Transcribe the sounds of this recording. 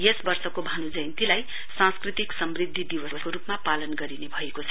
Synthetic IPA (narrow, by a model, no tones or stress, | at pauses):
jesbʌrsʌkobʱanud͡zʌjnt̪ilaj | sãnskrit̪iksʌmrid̪ʱːid̪iwʌʌskoɾupmapalʌnɡʌɾinebʱʌekot͡sʰʌ